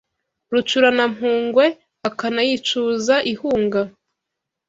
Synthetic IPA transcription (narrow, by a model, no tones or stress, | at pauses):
ɾut͡ʃuɾanamɦuːŋɡwe̞ | akanajit͡ʃuzaʔihuːŋɡa